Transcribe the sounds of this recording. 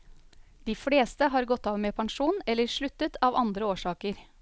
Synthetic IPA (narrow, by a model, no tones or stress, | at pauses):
d̪̥iːfɽeːst̪əɦɑːɾɡɔt̪ːɑːʋmeːpʰɑŋʃuːnɛlːəɾʂɭʉt̪ət̪ʰɑːʋɑnd̪ɾəoːʂɑːkəɾ